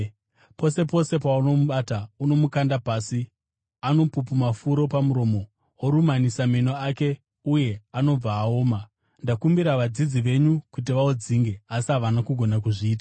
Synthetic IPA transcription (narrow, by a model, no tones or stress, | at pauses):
po̞se̞po̞se̞pauno̞muɓaːtauno̞mukandapaːsi | ano̞pupumafuɾo̞pamuɾo̞ːmo̞ | woɾumanisaminoake̞ | uje̞ano̞b͡vaːoːma | ndakumbiɾaʋad͡zid͡ziʋe̞ɲukut̬iʋaod͡ziŋɡe̞asiɦaʋanakuɡʱo̞nakuʐiːtḁ